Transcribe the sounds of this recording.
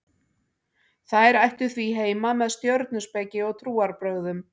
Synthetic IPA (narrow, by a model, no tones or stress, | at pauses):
θaðɛɾajht̪ʏθviɦeːjmamɛðst̪jœɾt̪nʏspɛcɪɔɣt̪ʰɾuːaɾpɾœɣðʏm